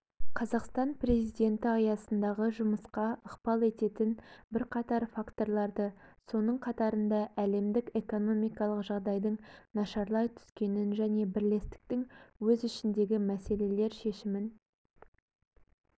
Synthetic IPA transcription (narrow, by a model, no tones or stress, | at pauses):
qʰɑzɑqst̪ɑnpre̞zijd̪e̞nt̪ɪɑjɑsənd̪ɑʁəʒʊməsqɑəqpɑlˠe̞t̪e̞t̪ɪnbɪɾqʰɑt̪ɑɾfakt̪o̞ɾlˠɑɾd̪əso̞nəɴqʰɑt̪ɑɾənd̪ɑʔæle̞md̪ɪke̞ko̞no̞mijkɑlˠəqʒɑʁd̪ɑjd̪əɴnɑʃɑɾlˠɑjt̪ʰʏ̥skʲe̞nɪnʒæne̞bɪɾle̞st̪ɪ̥k̚t̪ɪŋwɵzʏʃɪnd̪e̞ɡʲɪmæse̞le̞le̞ɾʃe̞ʃɪmɪn